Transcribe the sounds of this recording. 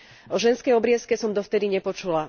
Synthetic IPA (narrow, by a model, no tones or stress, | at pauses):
ɔʒɛnskɛjɔbɾɪɛskɛsɔmd̪ɔft̪ɛd̪iɲɛpɔt͡ʃula